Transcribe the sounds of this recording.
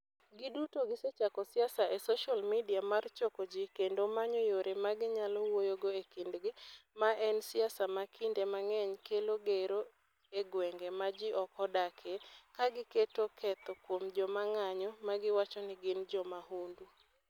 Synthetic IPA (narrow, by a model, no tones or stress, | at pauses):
ɡɪdutoɡɪset͡ʃakɔsɪasaʔesoʃalmidiamart͡ʃɔkod͡ʒikendomaɲɔjoɾemaɡɪɲalɔwojoɡoekindɡɪmaʔɛnsɪasamakʰɪndemaŋɛɲkeloɡeɾo | eɡwɛŋɡemad͡ʒɪʔɔkɔdakʰekaɡɪketokʰɛt̪ɔkwomd͡ʒɔmaŋaɲɔmaɡɪwat͡ʃɔnɪɡɪnd͡ʒɔmahundu